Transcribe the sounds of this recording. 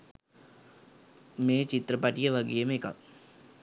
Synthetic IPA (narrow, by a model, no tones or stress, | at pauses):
meːt͡ʃit̪ɾəpaʈijəʋaɡejəməeka̰k̚